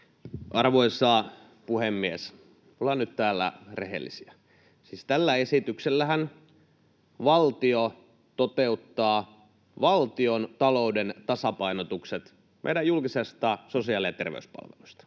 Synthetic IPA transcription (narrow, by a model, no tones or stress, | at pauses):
ʔɑrʋoisɑː | puhemːies | olɑnyt̪t̪æːlːæ̰rḛɦḛlːḭsiæ | siːst̪ælːæesit̪ykselːæhæn | ʋɑlt̪io | t̪ot̪eut̪ːɑː | ʋɑlt̪iont̪ɑloudent̪ɑsɑpɑinot̪ukset̪ | mḛjdæjulkisest̪ɑsosiɑːliɑt̪ḛrʋḛyspɑ̰lʋḛlust̪ɑ̥